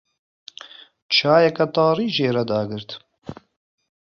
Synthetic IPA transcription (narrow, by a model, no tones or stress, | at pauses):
t͡ʃʰaːjɛkɛt̪ɑːriːʒeːɾɛd̪aːɡɨɾt̪